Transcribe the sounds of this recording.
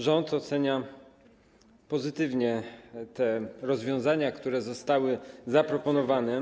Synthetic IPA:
ʐɔnt̪ɔt̪sɛɲa | pɔzɘt̪ɘvɲɛt̪ɛɾɔzvʲjɔ̃zaɲakt̪uɾɛzɔst̪awɘzapɾɔpɔnɔvanɛ

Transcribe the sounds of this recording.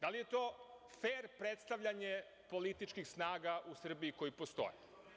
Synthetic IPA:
d̪alije̞t̪o̞ː | feːɾpɾet̪st̪aʋʎʲaɲe | po̞lit̪it͡ʃkixsnaːɡaʔusr̩biiko̞jipo̞st̪o̞̰jḛ

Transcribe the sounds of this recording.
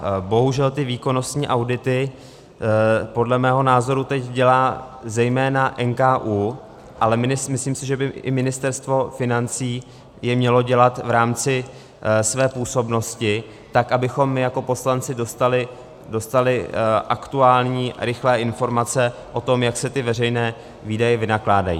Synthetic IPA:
bo̞ɦuʒɛlt̪ɪviːko̞no̞st̪ɲiːʔawdɪt̪ɪ | po̞dlɛmɛːɦo̞naːzo̞ɾut̪ɛcɟɛlaːzɛjmɛːnaʔɛnkaːʔuː | ʔalɛmɪɪmɪsliːmsɪʒɛbɪɪ̰mɪnɪst̪ɛɾst̪vo̞fɪnant͡siː | jɛmɲɛlo̞ɟɛlat̪vɾaːmt͡sɪ | svɛːpuːso̞bno̞scɪ | t̪akʔabɪxo̞mːɪjako̞po̞slant͡sɪdost̪alɪ | do̞st̪alɪʔakt̪uaːlɲiːɾɪxlɛːʔɪnfo̞ɾmat͡sɛʔo̞t̪o̞mjaksɛt̪ɪvɛr̝ɛjnɛː | viːdajɛvɪnaklaːda̰jḭː

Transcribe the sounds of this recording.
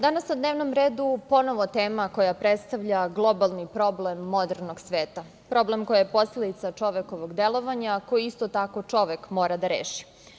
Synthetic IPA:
d̪anasnad̪neʋnomɾeːd̪upo̞noʋot̪eːmako̞japɾet̪st̪aʋʎaɡlˠo̞balˠnipɾo̞blemːo̞d̪eɾno̞ɡsʋeːt̪a | pɾo̞blemko̞jajepo̞sled̪it̪sat͡ʂo̞ʋeko̞ʋoɡd̪elˠo̞ʋaɲako̞jiist̪ot̪ako̞t͡ʂo̞ʋekmo̞ːɾad̪aɾeːʃi̥

